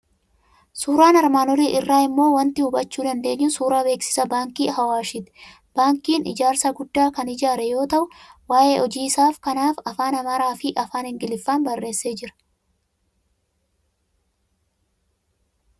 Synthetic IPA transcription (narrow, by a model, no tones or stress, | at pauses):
suːɾaːnɐɾmaːnɔɾiːʔɪrːaːɪmːo̞ːwɐnt̪ɪhʊbɐt͡ʃːuːd̪ɐnd̪e̞ːɲːʊsuːɾaːbe̞ːksɪ̥sɐbaːŋkiːhɐwaːʃɪt̪ɪ̥ | b̥aːŋkiːnɪ̰d͡ʒaːɾsɐɡʊd̪ːaːkɐnɪd͡ʒaːɾɛjo̞ːt̪ɐʔʊwaːʔe̞ːʔɔd͡ʒiːɪsaːfkɐnaːfɐfaːnɐmɐɾaːfɪʔɐfaːnhɪŋɡɪlɪfːaːnbɐrːe̞ːsːe̞ːd͡ʒɪɾɐ̥